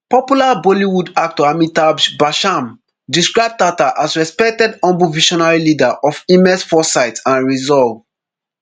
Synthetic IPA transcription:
pɔpjulabɔliwudak̚tɔamitabʃbaʃãm | diskɹaɪb̚tataʔasɹɛspɛk̚tɛdɔ̃mbuviʃɔnaɹilidaʔɔfĩmɛsfɔsaɪtãnɹizɔlv

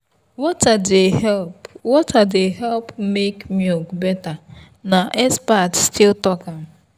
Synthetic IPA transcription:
wɔtadehɛlpwɔtʰadeɦɛlpmekmjokbɛta | naʔespatstɪltɔkan̩

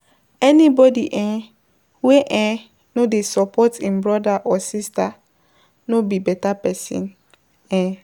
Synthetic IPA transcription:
ɛnĩbɔdiʔɛ̃ | weʔɛ̃ | nʊ̃desɔpʰɔtĩnbɾɔdaʔɔsistʰa | nʊ̃bibɛtapɛsɔ̰̃n | ɛ̃

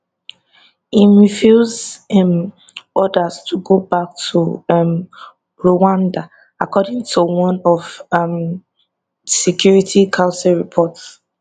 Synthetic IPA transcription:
iɹifjuzm | ɔdəstʰuɡobak̚tʰum | ɹowãnda | akʰɔdĩŋtʰuwɔ̃nɔvm | sɛkʰjuɹitʰikʰãʊsɛɹipʰɔts

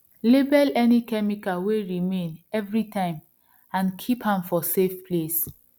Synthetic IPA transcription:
lebɛlɛnikɛmikaweɹimẽnɛvɹitʰãɪ̃m | ãnkʰiphãmfɔsefples

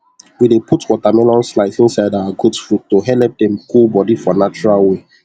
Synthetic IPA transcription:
widepʰutwɔtamɛ̃lɔ̃nslaɪsĩnsaɪdawaɡudfɹutːoɦɛlɛp̚dɛ̃mkulbɔdifɔnat͡ʃuɹalwe

